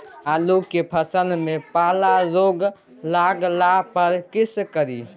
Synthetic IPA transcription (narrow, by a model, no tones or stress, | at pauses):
aloɡkepʰəsəlmepaːlazoɡ | laɡlapəɾkɪskəɾiː